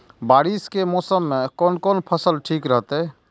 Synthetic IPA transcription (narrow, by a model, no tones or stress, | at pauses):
baːɽiskemɔːsəmːekɔːnkoːnpʰəsəlʈʰiːkɾəɦt̪e